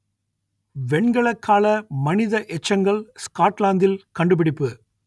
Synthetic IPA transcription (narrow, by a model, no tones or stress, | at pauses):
ʋɛɳɡɐɭɐkːaːlɐmɐnɪðɐʔɛt͡ʃːɐŋɡɐɭskaːʈlaːnd̪ɪlkɐɳɖɯp̬ɪɽɪpːɯ